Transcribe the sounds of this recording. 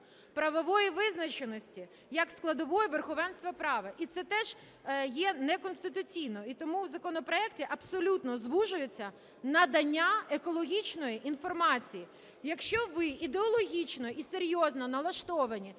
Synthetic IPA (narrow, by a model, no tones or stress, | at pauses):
pɾɐʋɔʋɔjiʋɪznɐt͡ʃenɔsʲtʲi | jɐksklˠɐd̪ɔʋɔjɛʋerxɔʋɛnst̪ʋɐpɾɑʋɐʔit̪sɛt̪ɛʒ̥ | jɛnɛkɔnst̪ɪt̪ʊt͡sʲijnɔit̪ɔmuwzɐkɔnɔpɾɔɛktʲiʔɐpsɔlʲut̪nɔzʋuʒʊjet͡sʲːɐ | nɐd̪ɐnʲːaekɔlˠɔɦʲit͡ʃnɔjiʔinfɔrmɑt͡sʲiji | jɐkʃt͡ʃɔʋɪid̪eɔlˠɔɦʲit͡ʃnɔʔiseɾʲjɔznɐnɐlˠɐʃt̪ɔʋɐnʲi